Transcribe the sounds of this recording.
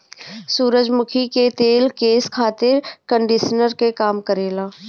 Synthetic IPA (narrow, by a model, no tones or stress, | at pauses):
suːɾəd͡ʒmʊkʰiket̪eːlkeːskʰaːt̪ɪɾkə̃ɳɖɪʃnəɾkekaːmkəɾeːlaː